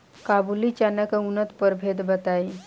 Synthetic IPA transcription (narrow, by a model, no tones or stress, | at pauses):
kabulit͡ɕanəkəunət̪pəɾbʱed̪bət̪ai